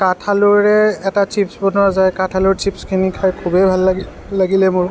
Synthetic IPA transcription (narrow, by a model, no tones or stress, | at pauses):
katʰalʊɹɛːtat͡ʃipsbɔnɔzajkatʰalʊɹt͡ʃipskʰinikʰajkʰubejbʱalːaiː | aɡilɛmʊɹ